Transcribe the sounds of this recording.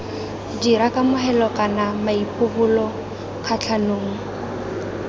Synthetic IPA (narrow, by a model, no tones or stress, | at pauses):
d͡ʒiɾakʼamʊɦɛlɔkʼanamaipʼʊbʊlɔ | kʰat͡ɬʰanoːŋ̩